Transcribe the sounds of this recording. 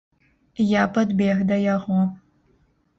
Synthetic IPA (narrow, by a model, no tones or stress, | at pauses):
japɐd̪bʲeɣd̪ɐjaʁo